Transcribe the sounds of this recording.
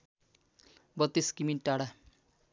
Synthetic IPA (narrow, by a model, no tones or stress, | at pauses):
bʌt̪ːiskiminʈaɽa